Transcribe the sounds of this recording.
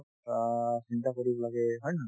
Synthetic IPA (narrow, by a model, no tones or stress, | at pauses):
sintakoɹibɔlaɡɛɦɔjna